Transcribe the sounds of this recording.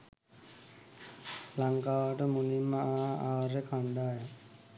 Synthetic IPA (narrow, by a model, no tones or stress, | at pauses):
laŋkaːʋaʈəmulimːaaaːɾekʰaɳɖaja